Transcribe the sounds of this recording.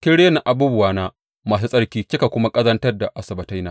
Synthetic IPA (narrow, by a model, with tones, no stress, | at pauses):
kʲɪ˦ɽeː˦na˨ʔa˨buː˦bʊ˨waː˨naː˦ | maː˨s̬u˦sʼɐ˦ɽkʲiː˦kʲɪ˦ka˨kʷʊ˦ma˦kʼɐ˦zɐ˦ntɐ˦rda˨ʔa˨sɐ˨bɐ˨ta˦jnaː˦